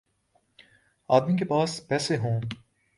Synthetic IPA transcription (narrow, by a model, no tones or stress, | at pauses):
aːd̪mikepaːspɛːseɦõː